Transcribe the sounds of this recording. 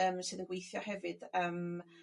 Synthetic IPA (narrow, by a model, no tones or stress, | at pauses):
əmsɨːðənɡwejθjɔhɛvɨd̥əm